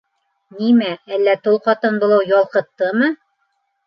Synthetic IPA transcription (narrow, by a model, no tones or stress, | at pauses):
nimæælːæt̪olˠqɑt̪ɤnbŏlˠɤwjɑlˠqɤ̆t̪ːɤmɤ